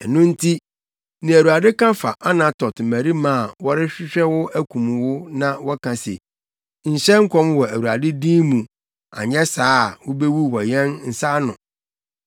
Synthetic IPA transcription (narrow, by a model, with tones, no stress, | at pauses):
ɛ˨nũ˦n̩˦tʰi˦ | nĩ˨æ˨ɾu˨a˨dɪ˦kã˦fa̰˨ʔa˦nã˨tʰɔ˨tmæ˨ɾi˦mãː˦˨wɔ˦ɾɪ˦ɕᶣɪ˦ɕᶣɛ˦wʊ˦æ˦kʰũ˨m˨wʊ˦nã˦wɔ˦kʰã˨sḛ˨ | ɲ̩˨ɕɛ˦ŋ̩˦kʷʰɔ̃˦mwɔ˨æ˨wu˨a˨dɪ˦dĩː˦mũ˨ | a̰˨ɲɛ˦saː˦˨wʊ˦be˦wu˦wɔ˨jɛ̃˦nn̩˨sa˦nʊ̃˨